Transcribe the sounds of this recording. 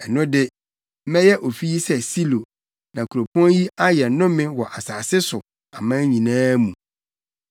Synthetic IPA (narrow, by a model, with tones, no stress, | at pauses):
ɛ˨nʊ̃˦dɪ˦ | m̩˦mɛ̃˦jɛ˦ʔo˨fi˦ji˦sɛ˦si˦lo˨ | nã˨kʰu˨ɾo˨pʰɔ̃˦nji˦a˦jɛ˨˦nʊ̃˦mɪ̃˦wɔ˨ʔa˨saː˨sɪ˦sʊ˨ | a˨mã˦ɲĩ˨nãː˦mũ˨